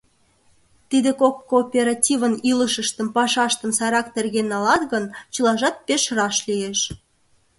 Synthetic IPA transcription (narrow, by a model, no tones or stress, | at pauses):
t̪id̪ekokːoːpʲeɾɑtʲiβəniləʃəʃt̪ə̆mpɑʃɑʃt̪ə̆msɑɾɑkt̪erɣenːɑlɑt̪ɣənt͡ɕəlɑʒɑt̪̚peʃrɑʃlieʃ